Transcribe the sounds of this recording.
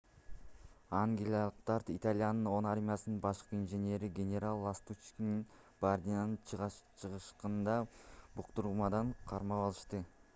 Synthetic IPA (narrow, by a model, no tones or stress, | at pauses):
aŋɡʲlʲˠɑlˠəqt̪ɑɾt̪it̪alʲijanəno̞naɾmʲijasənnbɑʃqəinʒenʲe̞ɾɪɡʲe̞nʲe̞ɾalˠːast̪ut͡ʃkʲinin | b̥aɾd̪ʲijanənt͡ʃʰəʁəʃqənd̪ɑbʊqt̪uɾumɑd̪ɑɴqʰɑɾmɑpɑlˠəʃt̪ə